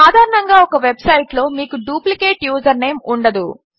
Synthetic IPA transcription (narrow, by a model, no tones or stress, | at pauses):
aːd̪ʱaːɾɐɳɐŋɡaːɔkɐʋebsɐjʈlo̞ːmiːkuɖuːplike̞ːʈjuːzɐɾne̞ːmuɳɖɐd̪ṵ